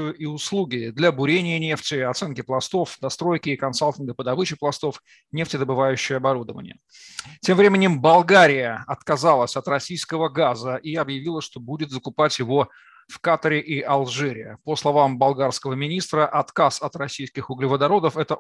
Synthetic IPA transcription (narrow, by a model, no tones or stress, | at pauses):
ɨjʊʔiʊslˠuɡʲɪd̪lʲɐbʊɾʲenʲɪjənʲe̞ftʲɪɐt̪sɛnkʲɪplˠɐst̪o̞fd̪ɐst̪ɾo̞jkʲɪːkɐnsalʲˠtʲɪnɡəpəd̪ɐbɨt͡ɕɪplˠɐst̪o̞f | nʲe̞ftʲɪd̪əbɨvajʉɕːɪjəɐbɐɾud̪əvə̰nʲɪ̰jə | tʲe̞mvɾʲemʲɪnʲɪmbɐlˠɡaɾʲɪjəɐt̪kɐzalˠəsʲɐt̪rɐsʲijskəvəɡazəʔiɐbjɪvʲilˠəʂt̪o̞budʲɪt̪zəkʊpatʲjɪvo̞ | fkat̪əɾʲɪʔiʔɐlˠʐɛɾʲɪjəposlˠɐvambɐlˠɡarskəvəmʲɪnʲist̪ɾəʔɐt̪kasɐt̪rɐsʲijskʲɪxʊɡlʲɪvəd̪ɐɾo̞d̪əfɛt̪ə